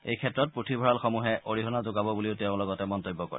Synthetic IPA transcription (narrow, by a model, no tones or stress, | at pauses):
ḛjkʰɛtɹɔt̚pɹutʰibʱɔɹalxomuɦɛʔoɹiɦɔnazoɡabɔbuliʊtɛʊ̃lɔɡɔtɛmɔntojbːɔkɔ̰ɹɛ